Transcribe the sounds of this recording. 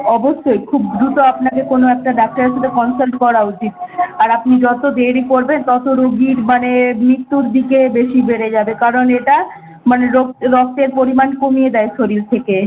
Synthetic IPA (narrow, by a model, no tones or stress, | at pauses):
ɔboʃːojkʰubd̪ɾut̪oapnakekonoɛk̚ʈaɖak̚ʈaɾeɾʃat̪ʰekɔnsalʈkɔɾaut͡ɕit̪aɾapnid͡ʑɔt̪od̪eɽikoɾbent̪ɔt̪oɾoɡiɾmanemit̪ːuɾd̪ikebeʃibeɽed͡ʑabekaɾoneʈa | maneɾok̚ɾɔk̚t̪eɾpoɾimankomijed̪ɛeʃoɾiɾt̪ʰeke